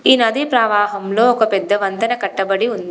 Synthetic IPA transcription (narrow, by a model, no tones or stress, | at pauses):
inɐd̪ipɾɐːʋaːɦɐmloːɔkɐpɛd̪ːɐʋɐnt̪ɐnɐkɐʈːɐbɐɽiund̪i